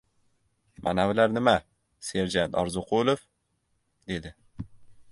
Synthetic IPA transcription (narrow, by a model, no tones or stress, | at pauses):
mʔa̰nawɪlaɾnɪma | se̞ɾd͡ʒant̪ʰɒɾzʊqʰolˠof | d̪̥e̞d̪ɪ